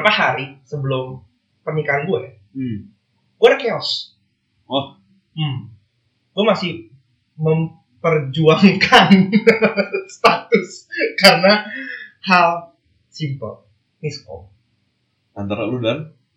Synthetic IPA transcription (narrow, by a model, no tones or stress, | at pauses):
apahaɾisəbəlʊm | pərmikanɡua | ɡ̥uaɾakeɔs | wah | m̩ | ɡ̥uamasɪh | məm | pərd͡ʒuaŋkʰan | st̪at̪ʊskarəna | hal | simpə̰l | mɪskɔ̰ | ant̪aɾaludan